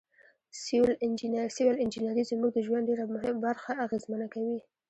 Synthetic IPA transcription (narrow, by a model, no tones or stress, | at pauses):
sɪwlɪnd͡ʒɪnɾsɪwɪlɪnd͡ʒɪnaɾizəmuɡ̚d̪əʒwan̚ɖeɾamʊɦɪabaɾxaːɣezmənakawi